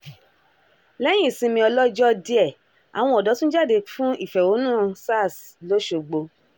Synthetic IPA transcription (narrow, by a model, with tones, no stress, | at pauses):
lɛ˨˦j̃ĩ˦˨sĩ˧mĩ˧ɔ˧lɔ˦d͡ʒɔ˦di˧ɛ˨ | a̰˨w̃ɔ̃˧˦ɔ˨dɔ˨˦tũ˦d͡ʒa˦˨de˧fũ˦i˦˨fɛ˨wo˨˦nũ˦˧sa˦˨slo˦ʃo˧ɡ͡bo˧